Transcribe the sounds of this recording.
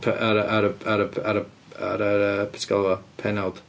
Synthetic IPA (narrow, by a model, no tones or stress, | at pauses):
pʰɛʔaɾəʔaɾəaɾəaɾə | aɾəəpʰɛ̥tʰɪɡ̥ɔlˠɔpʰɛnalˠd̥